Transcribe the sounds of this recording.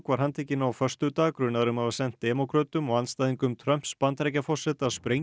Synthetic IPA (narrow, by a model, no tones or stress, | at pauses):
kvaɾ̥ɦant̪ʰeːcɪnawfœr̥st̪ʏt̪aːɣkɾʏnaðɾʏmhavasɛn̥t̪̚d̪ɛmɔkʰɾœt̪ʏmɔɣanst̪ajðiŋkʏmt̪ʰɾœm̥pspant̪ɾɛjcafɔ̥sɛt̪aðspɾej